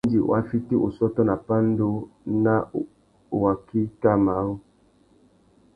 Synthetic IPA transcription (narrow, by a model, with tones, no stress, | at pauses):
di˨o̰˨a˨˦fi˦ti˦ʔo̰˨sɔ˦tɔ˦na˨pa˦n̩˦do˦na˦˨ | wa˨ki˦ta˦ma˨˦o˦